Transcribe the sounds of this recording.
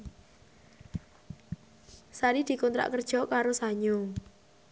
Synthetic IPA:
saɾid̪̥i̤kɔnt̪ɾa̰ʔkərd̥ʒ̥ɔ̤kaɾosaɲʊŋ

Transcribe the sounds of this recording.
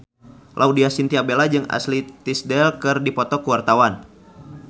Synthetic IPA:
lʔaudiasint̪iabelad͡ʒɨŋa̰slit̪isdɛlkɨrdipɔt̪ɔkuwart̪awan

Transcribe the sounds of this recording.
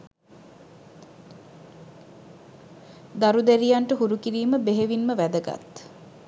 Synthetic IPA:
d̪aɾud̪æɾijaɳʈəɦuɾukiɾiːməbeɦeʋinməʋæd̪əɡa̰t̪

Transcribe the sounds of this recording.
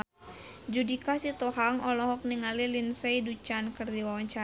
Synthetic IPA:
d͡ʒudikasit̪ɔɦaŋɔlɔɦɔk̚niŋalilinseidut͡ʃankɨrdiwawaɲt͡ʃa

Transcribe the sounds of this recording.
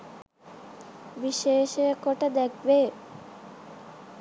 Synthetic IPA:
biʃeʃekoʈad̪ɛk̚ʰbe

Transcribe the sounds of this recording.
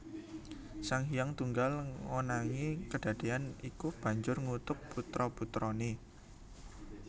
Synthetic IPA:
saŋɦijaŋt̪uŋɡalŋonaŋikəɖ̥ä̤d̪̥eanikub̥ä̤ɲd͡ʒʊrŋut̪ʊpput̪ɾɔput̪ɾɔne

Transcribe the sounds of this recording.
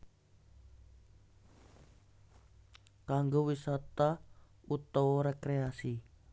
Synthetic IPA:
kaŋɡowisat̪a | ut̪owɔɾekɾeasi

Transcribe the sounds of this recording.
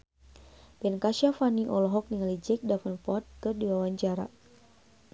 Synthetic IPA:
bɛnkaʃafaniʔɔlɔɦɔk̚niŋalid͡ʒɛk̚dafənpɔt̪̚kərdiwawaɲt͡ʃaɾa̰

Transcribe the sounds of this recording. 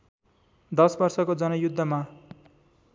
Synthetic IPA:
d̪ʌsbʌrsʌkod͡zʌnʌjud̪ʱːʌma

